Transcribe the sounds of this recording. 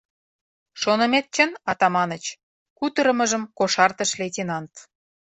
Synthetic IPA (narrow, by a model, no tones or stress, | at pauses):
ʃonə̆met̪̚t͡ɕənɑt̪ɑmɑnət͡ɕ | kut̪ə̆ɾə̆mə̆ʒə̆mkoʃɑrt̪ə̆ʃletʲenɑnt̪